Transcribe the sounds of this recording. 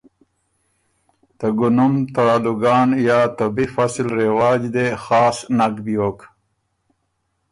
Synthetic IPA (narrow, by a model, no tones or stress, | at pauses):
t̪əɡunumt̪aaluɡɑːnjaːt̪ɐbifasilɾewaːd͡ʒd̪exɑːsnakbijoːk